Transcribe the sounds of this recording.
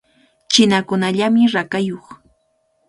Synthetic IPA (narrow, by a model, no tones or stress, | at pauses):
t͡ʃɪnakʊnaʎamɪɾakajoχ